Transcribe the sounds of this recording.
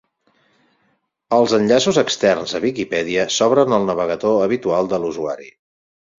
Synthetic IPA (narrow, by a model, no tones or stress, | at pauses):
əlˠzənʎasuzəkst̪ɛrnzəβikipɛðiəsɔβɾənəlˠnəβ̞əɣ̞ət̪oəβ̞it̪ualˠd̪əluzua̰ɾḭ